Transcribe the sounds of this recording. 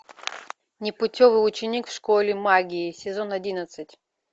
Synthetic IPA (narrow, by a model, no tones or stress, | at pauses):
nʲɪpʊtʲovɨʊt͡ɕɪnʲikfʂkolʲɪmaɡʲɪːsʲɪzonɐdʲinət̪sɨtʲ